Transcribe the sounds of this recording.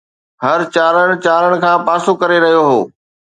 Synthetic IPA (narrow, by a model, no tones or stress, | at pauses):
ɦɐɾt͡ɕaːɾəɽ̃t͡ɕaːɾəɽ̃kʰãːpaːsokɐɾeɾɐɦijoɦoː